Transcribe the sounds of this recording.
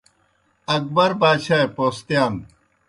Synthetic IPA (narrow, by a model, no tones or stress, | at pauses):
ɐk̚bɐɾbaːɕajpost̪jaːn